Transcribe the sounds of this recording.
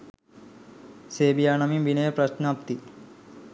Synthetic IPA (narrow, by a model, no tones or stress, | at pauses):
seːbijaːnamimʋinəjəpɾɐsnəap̚t̪i